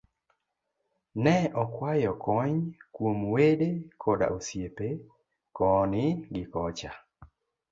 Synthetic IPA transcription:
nɛɔkwajɔkɔɲkwomwedekʰɔda̰osjepe | kɔnɪɡɪkɔt͡ʃa

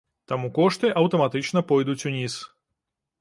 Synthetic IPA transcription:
t̪amukɔʂt̪ɨʔɐwt̪ɐmat̪ɨt͡ʂnɐpɔjd̪ut͡sʲunʲis

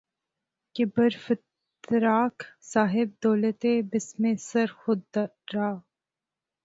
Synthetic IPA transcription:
kɪbəɾfɪt̪ | ɾaːksaːɦɪb̚d̪oːlət̪ebɪsmẽsɐɾxʊd̪ː | aː

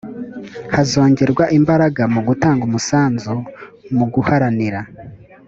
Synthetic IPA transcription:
hazo̞ːɲɟe̞ɾɡwaʔimbaɾaɡamuɡutaːŋɡumusaːnzumuɡuhaɾaniɾa

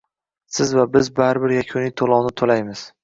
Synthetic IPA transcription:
sɪzvabɪzbaɾɪbɪɾjakʲʰonɪt̪ʰolˠɒwnɪt̪ʰolajmɪz̥

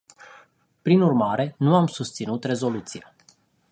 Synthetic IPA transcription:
pɾinurmaɾe̞nuamsust̪sinut̪re̞zo̞lut̪sija

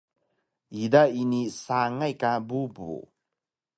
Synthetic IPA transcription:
idainisaŋajkabubṵ

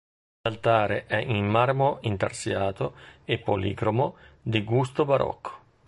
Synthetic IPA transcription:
lalt̪aːɾḛʔɛʔimmarmoint̪a̰rsjaːt̪oepːolḭɡɾomod̪iɡust̪obaɾʔɔ̰kʰːo̥

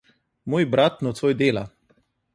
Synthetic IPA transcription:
moːjbɾat̪nɔt̪sʋoːjd̪eːla̰

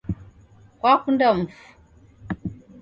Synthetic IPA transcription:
kwakundam̩fu̥

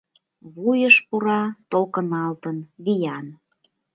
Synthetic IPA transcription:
βujəʃpuɾɑt̪okənɑlt̪ənβijɑn

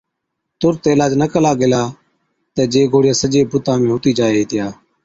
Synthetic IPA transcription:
t̪ʊɾt̪eːlaːd͡ʒnəkəlaːɡɪlaː | t̪eːd͡ʒeːɡoːɽɪjaːsəd͡ʒeːbʊt̪ãːmẽːɦʊt̪iːd͡ʒaːeːeːt̪ɪjaː

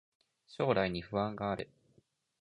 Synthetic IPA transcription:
ɕo̞ːɾaiɲ̟iɸɯ̟ãŋɡaːɾɯ

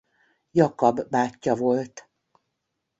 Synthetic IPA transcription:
jɒkɒbːaːcːɒvo̞lt̪

